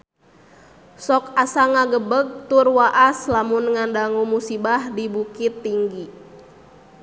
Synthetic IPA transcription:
sɔkasaŋaɡəbəɡ̚t̪ʊrwaʔaslamunŋandaŋumusibahdibukit̪ːiŋɡi

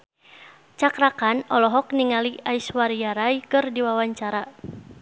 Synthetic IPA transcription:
t͡ʃakɾakanɔlɔɦɔk̚niŋaliaiswaɾijaɾajkɨrdiwawaɲt͡ʃaɾa

